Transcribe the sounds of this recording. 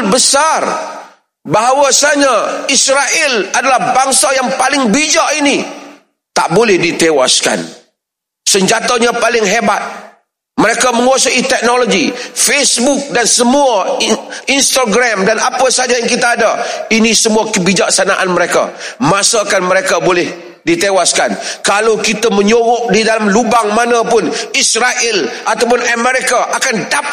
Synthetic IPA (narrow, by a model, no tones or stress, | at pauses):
bəsar | baɦawasaɲaisɾaʔɪladalahbaŋsajaŋpalɪŋbid͡ʒaʔini | t̪aʔbolɛhdit̪ewa̰ska̰n | səɲd͡ʒat̪aɲapalɪŋɦebat̪̚ | məɾekaməŋuasuʔit̪ɛk̚noloɡifesbʊk̚dansəmua | inst̪aɡɾamdanapasad͡ʒajaŋkit̪aːdainisəmuakəbid͡ʒak̚sanaʔanməɾeka̰masakanməɾekabolɛh | dit̪ewaskankalawkit̪aməɲoɣɔʔdidalamlubaŋmanapʊnisɾaʔɪlʔat̪awpʊnəmɛɾikaʔakandap